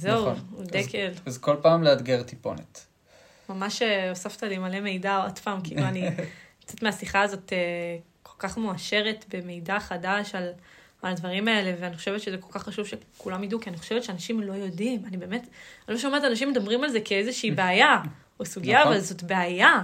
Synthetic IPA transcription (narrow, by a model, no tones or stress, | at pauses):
zeud̪ekʰelzko̞lpaːmlead̪ɡeʁt̪ipo̞̰nḛt | mamaʃeosaft̪alimaleme̞jdaod̥paːmkiḭluanikt͡setmeasiχaːzo̞te | kʰo̞lkaχmuaʃe̞ʁe̞tbe̞me̞jdaχadaʃalmaladvaʁimae̞le̞veaniχo̞ʃevetʃezeko̞lkaχːaʃuv̥ʃekulamjidukianiχo̞ʃevett͡ʃeanaʃimlo̞jo̞dimanibe̞ːme̞tloʃomeʁtanaʃimːed̪abʁimalzekeezeʃiːbeaja | osuɡiaavalzo̞tbeaja